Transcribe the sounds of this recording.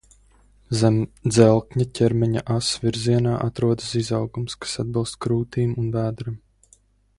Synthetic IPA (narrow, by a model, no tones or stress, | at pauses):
d̪zɛlˠkɲacʲʰɛɾmɛɲaʔasvʲiɾziɛnaːʔat̪ɾuɔd̪ɨsizawɡumskḁsad̪̚bilˠst̪kɾuːt̪iːmunvæːd̪ɾɨm